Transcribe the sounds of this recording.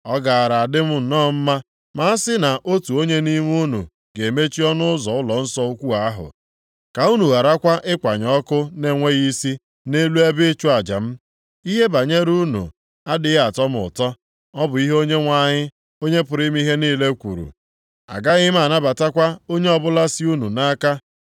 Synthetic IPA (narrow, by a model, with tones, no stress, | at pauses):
ɔ˦ɡa˨a˨ɾa˨a˨dɪ˦m̩˦n̩˨nɔː˦˨m̩˦ma˦ | ma˨˦sɪ˦na˨ʔo˦tu˨o˦ɲe˦ni˦m˦u˦nṵ˨ | ɡe˨me˦t͡ʃi˦ɔ˦nʊ˦ʊ˦zɔ˨ʊ˦lɔ˨n̩˦sɔ˦o˦kʷu˦a˦a˦ɦʊ̰˨ | ka˨u˦nu˨a˨ɾa˦kʷa˦ʔɪ˦kʷa˨ɲɔ˦kʊ˦ne˨ŋʷe˦ɣi˦si˦ | ne˦lu˦e˦bɪ˦t͡ʃu˦a˨d͡ʒa̰˨m̩˦ | i˦ɦe˦ba˨ɲe˦ɾu˦nṵ˨ | a˦dɪ˦ɣa˨tɔ˦mʊ˨tɔ˦ | ɔ˦bʊ˨˦i˦ɦo˦ɲe˦ŋʷa˦˨ɲɪ˦ | o˦ɲe˦pʊ˨ɾi˦m˦i˦ɦe˦niː˦le˦kʷṵ˨ɾṵ˨ | a̰˨ɡa˦ɣɪ˦m̩˦a˨na˦ba˨ta˦kʷa˦o˦ɲe˦ɔ˦bʊ˦la˦si˦u˦nu˨na˦ka˦